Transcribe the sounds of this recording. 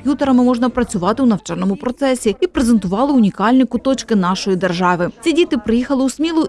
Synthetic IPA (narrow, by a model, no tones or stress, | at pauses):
pjut̪eɾɐmɪmɔʒnɐpɾɐt͡sʲʊʋɑt̪ɪwnɐwt͡ʃɛrnɔmʊpɾɔt̪sɛsʲiipɾezent̪ʊʋɑlˠɪʊnʲikɑlʲnʲikʊt̪ɔt͡ʃkɪnɑʃɔjid̪erʒɑʋɪt͡sʲidʲit̪ɪpɾɪjixɐlˠɪusʲmʲilˠʊ